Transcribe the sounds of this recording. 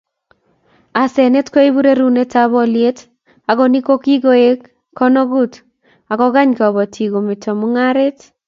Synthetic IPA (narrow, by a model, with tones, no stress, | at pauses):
a˨sɛ˨ne˦tkɔ˦i˦bu˦ɾe˦ɾu˦ne˦ta˦βɔ˦lje˦t | a˨ɡɔ˨ni˦ko˦ki˦ɡo˦e˦kː | ɔ˦no˦ɡu˦t | a˨kɔ˦ɡa˦ɲkɔ˨βɔ˨tʰi˨ɡo˨me˨to˨mʊ˦ŋa˦ɾe˦t